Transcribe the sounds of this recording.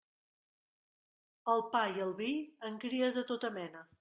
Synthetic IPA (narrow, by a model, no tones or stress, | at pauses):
əlˠpajiəlˠβiəŋkɾiəðət̪ot̪əmɛnə